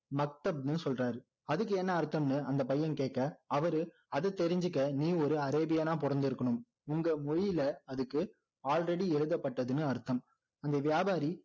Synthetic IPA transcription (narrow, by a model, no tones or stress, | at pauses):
mɐk̚t̪ɐb̚nɯsɔlraːɾɯ | ɐðɯkːɯɛnːɐːɾt̪ːɐmnɯɐnd̪ɐpɐjːɐnkeːʈ̚kːɐɐʋɐɾɯ | ɐðɯt̪ɛɾɪɲd͡ʒɯkːɐniːɔɾɯɐɾeːbɪjanãːpɔɾɐnd̪ɪɾɯkːɐɳɯm | ʊŋɡɐmɔɻlɐɐðɯkːɯ | aːlrɛɽiɛɻɯðɐpːɐʈːɐðɯnɯɐɾt̪ːɐm | ɐnd̪ɐʋɪjaːbaːɾi